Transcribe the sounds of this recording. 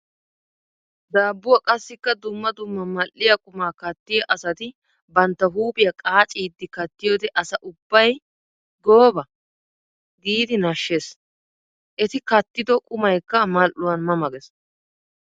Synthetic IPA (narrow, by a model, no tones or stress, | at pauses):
d̪aːbːʊwɐkʼɐsːɪkːɐd̪ʊmːɐd̪ʊmːɐmɐlːɪjɐkʼʊmaːkɐt̪ːɪjɐʔɐsɐt̪ɪ | bɐnt̪ːɐɦuːbɪjɐkʼaːt͡ʃʼiːd̪ːɪkɐt̪ːɪjoːd̪ɛʔɐsɐʔʊbːɐj | ɡoːbɐ | ɡiːd̪ɪnɐʃːeːs | ʔɛt̪ɪkɐt̪ːɪd̪ɔkʼʊmɐjkːɐmɐlʔːʊwɐnmɐmɐɡɛs